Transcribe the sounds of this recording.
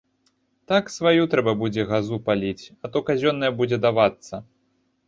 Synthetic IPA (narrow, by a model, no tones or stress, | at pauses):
t̪aksvajut̪ɾɛbɐbud͡zʲɛɣazupalʲit͡sʲɐt̪ɔkazʲɔnːɐjɛbud͡zʲɛd̪avat̪sːɐ